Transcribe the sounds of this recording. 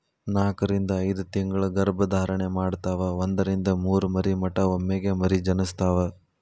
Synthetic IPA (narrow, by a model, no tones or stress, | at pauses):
naːkɐɾind̪ɐːjd̪ut̪iŋɡɐɭɐɡɐɾbɐd̪ʱaːɾɐɳemaːɖt̪aːʋɐond̪ɐɾind̪ɐmuːɾumɐɾimɐʈɐomːeɡemɐɾid͡ʒɐnɐst̪ʰaːʋɐ